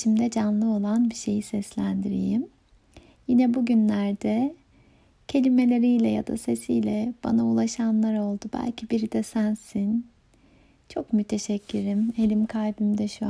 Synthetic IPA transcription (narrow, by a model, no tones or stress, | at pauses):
ʃimd̪ɛd͡ʒanlˠɯo̞lˠanbiʃe̞jisɛslʲænd̪iɾḭjim | jinɛbuɟynlʲæɾd̪ɛ | cʰe̞lʲime̞lʲe̞ɾijlʲɛja̰d̪a̰se̞sijlʲɛb̥a̰naulˠaʃanlˠaɾo̞lˠd̪ubæ̰lʲcʰibiɾid̪ɛsænsin | t͡ʃʰo̞kmyt̪ʰeʃɛcʰːyɾime̞lʲimkʰajbimd̪ɛʃu